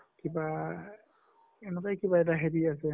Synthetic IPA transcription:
kiba | ɛnɛkajkibaɛtaɦediasɛ

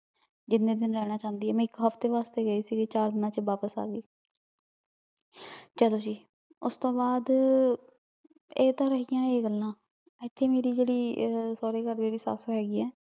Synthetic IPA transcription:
d͡ʒɪnːẽːd̪ɪnɾɛːɽ̃aːt͡ʃãːnd̪iːɛːmɛ̃ːɪkɦəpʰt̪eːʋaːst̪eːɡəiːsiːɡet͡ʃaːɾd̪ɪnãːt͡ʃʋaːpəsa̰ːɡiː | t͡ʃəloːd͡ʒiː | ʊst̪õːbaːd̪ | eːt̪ãːɾəɦijãːeːɡəlːãː | ɪt̪ʰːeːmeːɾiːd͡ʒeːɽiːsoːɾeːkəɾmeːɾiːsa̰ːsɦɛːɡiːɛ̃ː

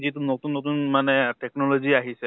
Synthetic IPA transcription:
zit̬unotunːot̬unmanɛtɛknɔloziaɦisɛ

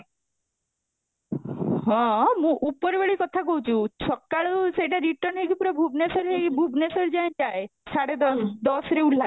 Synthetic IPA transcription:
ɦɔ̃mũːʔupːəɾʋeɭikɔt̪ʰakɔut͡ɕut͡ɕʰɔkːaɭseʈaɾiʈəɾnɦekipuɾɔbʱubnesəɾɦebʱubnesəɾd͡ʑaj̃d͡ʑajsaɽed̪ɔsd̪ɔsɾeul̤ːa

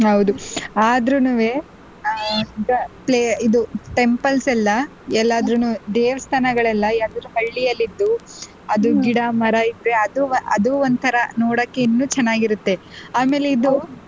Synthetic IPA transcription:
ɦɐwd̪uaːd̪ɾunuːʋe | iɡɐpleːid̪uʈe̞mpɐlsɛlːɐ | ɛlːaːd̪ɾunud̪eːʋɐst̪ʰanɐɡɐɭɛlːɐad̪ɐɾuɦɐɭːijɐlːid̪ːu | ɐd̪uɡiɽamɐɾɐid̪ɾe̞ɐd̪uʔɐd̪uond̪t̪ʰɐɾɐnoːɽɐkːeinːuːt͡ʃɛnːaːɡiɾut̪ːe̞aːme̞ːle̞id̪u

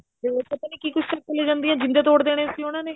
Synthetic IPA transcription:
eot̪et̪aneːkiːkʊt͡ʃʰt̪akːəleːd͡ʒãːnd̪ijãːd͡ʒɪ̃nd̪eːt̪oːɽd̪eːɽ̃eːsiːonãːneː

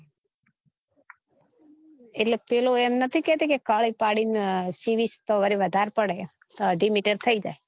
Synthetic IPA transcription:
eʈlepeloemnət̪ʰikɛt̪ikekaɭipaɽinsiʋist̪əʋəɾiʋəd̪ʱaɾpəɽe | t̪oɖimiʈeɖ̚t̪ʰəid͡ʒa̰e

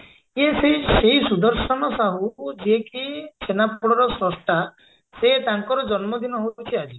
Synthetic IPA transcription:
ieseseɦisud̪ɔɾsɔnɔsaɦud͡ʒiekisʰenapuɽɔɾɔsɾɔsʈʰa | set̪aŋkɔɾɔd͡ʒɔnmɔd̪ʱinɔɦot͡ʃʰiad͡ʒi

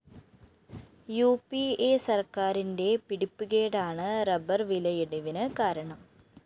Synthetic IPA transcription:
juːpieːsɐrkaːɾinde̞piɽipːuɣeːɽaːɳɨrɐbɐrʋilɐjeɽuʋinɨkaːɾɐɳɐm

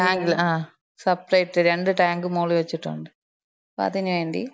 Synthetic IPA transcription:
ʈaːŋɡlaː | sɐpɾɐjʈːɨɾeɳɖɯʈaːŋɡɯmoːliʋɐt͡ɕːuʈːɐ̰ːɳɖɯ | pa̰ːt̪iɲːɐʋeːɳɖḭ

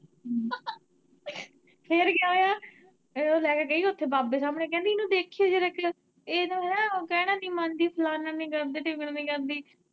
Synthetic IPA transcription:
pʰeɾɡɪaːɦoːjaː | oːlɛːkeːɡəiːʊt̪ʰːeːbaːbeːsaːmɽeːk̬ɛ̃ːnd̪iːnũːd̪eːkʰieːd͡ʒeːɾek | eːnũːɦɛnãːkɛːɽ̃ãːnĩːmãːnd̪iːpʰəlaːnãːnĩːkəɾd̪eːʈɪɡɽãːnĩːkəɾd̪iː

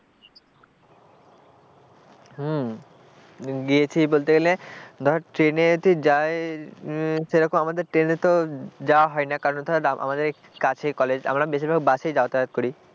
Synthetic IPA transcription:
ɦ | ɡiet͡ɕʰibolt̪eɡeled̪ʱɔʈɾeneot̪ʰid͡ʑae | ʃeɾɔkomamad̪eɾʈɾenet̪od͡ʑawaɦɔenakaɾont̪ʰɔɾaʔa̰mad̪eɾ | kat͡ɕʰekɔled͡ʑa̰mɾabeʃibɛkbaʃejd͡ʑaat̪aɾat̪̚koɾi

